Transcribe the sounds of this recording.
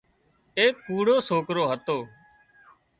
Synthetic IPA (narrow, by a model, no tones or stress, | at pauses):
eːkːuːɽoːsoːkɾoːɦət̪oː